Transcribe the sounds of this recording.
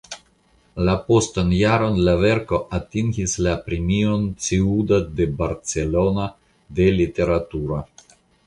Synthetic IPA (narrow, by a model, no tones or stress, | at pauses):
lapo̞stanjaɾo̞nlave̞ɾko̞ʔatiŋɡislapɾemio̞nt͡siudade̞baɾt͡se̞lo̞na | de̞lite̞ɾatuɾa